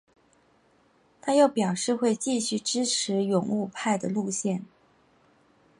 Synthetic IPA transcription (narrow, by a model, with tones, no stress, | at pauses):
t̪ʰa˥jo˥˩ʊpjɑ˨˩ʊʂɻ̩˥˧xwe˥˧ɪt͡ɕi˥˧ɕy˥˩ʈ͡ʂɻ̩˥ʈ͡ʂʰɻ̩˧˥jʊ˨˩ŋu˥˧pʰa˥˩ɪd̪ə̰˩lu˥˧ɕjɛ˥˩n